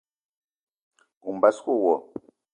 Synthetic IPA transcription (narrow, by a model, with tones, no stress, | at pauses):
u˨m˨ba˨˦sko˦˨wɔ˨